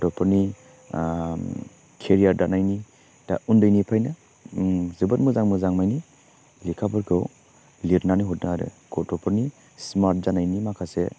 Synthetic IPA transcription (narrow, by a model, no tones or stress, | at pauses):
tɔpʰɔɾni | kʰeɾiaɾdanajni | d̥a̰undɯjnipʰajnɯ | zɯbət̚muzaŋmuzaŋmajni | likʰabɯɾkʰɯw | liɾnaniɦut̚naaɾɯ̰ɡ̥ɔtɔpʰɔɾni | smaɾt̚zanajnimakʰase